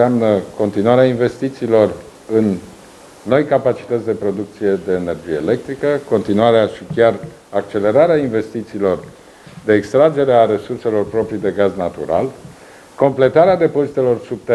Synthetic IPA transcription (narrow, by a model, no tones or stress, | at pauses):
amnəko̞nt̪inuaɾeainve̞st̪it̪siːlo̞r | ɨnː | o̞jkapat͡ʃi̥t̪ət̪sʲd̪e̞pɾo̞d̪uk̚t̪sije̞d̪e̞ːne̞rd͡ʒije̞ːle̞k̚t̪ɾikəko̞nt̪inuaɾeaʃikʲar | akt͡ʃe̞le̞ɾaɾeainve̞st̪it̪siːlo̞r | d̪e̞ːkst̪ɾad͡ʒe̞ɾeaɾe̞surse̞lo̞rpɾo̞pɾijd̪e̞ɡaznat̪ṵɾa̰l | ko̞mple̞t̪aɾead̪epo̞zit̪e̞lo̞rsub̚t̪e